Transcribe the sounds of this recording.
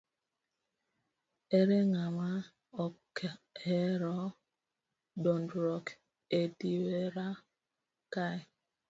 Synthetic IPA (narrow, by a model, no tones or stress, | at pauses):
eɾeŋama | ɔkʰeɾɔ | dɔndɾɔk | ediwweɾa | kaɪ